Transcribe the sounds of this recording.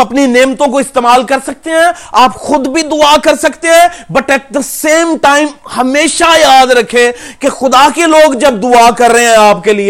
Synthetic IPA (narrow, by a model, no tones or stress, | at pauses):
ɐpnineːmt̪õkoɪst̪eːmaːlkɐɾsɐk̚t̪eɦɛ̃ːaːpxʊd̪bʱid̪ʊakɐɾsɐkt̪eɦɛ̃bɐʈɛːʈ̚d̪əseːmʈaːɪmhɐmeːʃajaːd̪ɾɐkʰːekexʊd̪akeloːɡd͡ʒɐb̚d̪ʊakɐɾːəɦeɦɛ̃aːpkelie